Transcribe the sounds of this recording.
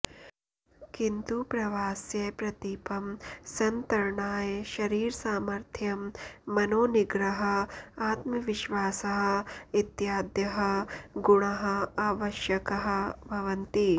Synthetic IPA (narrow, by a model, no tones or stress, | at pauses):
kint̪upɾɐʋaːsjɐpɾɐt̪iːpɐmsɐnt̪ɐɾɳaːjʃɐɾiːɾsaːmɐɾt̪ʰjɐmːɐnoːniɡɾɐɦɐ̆aːt̪mɐʋiʃʋaːsɐɦɐ̆it̪jaːd̪jɐɦɐɡuɳɐɦɐ̆aːʋɐʃjɐkɐɦɐ̆bʱɐʋɐnt̪i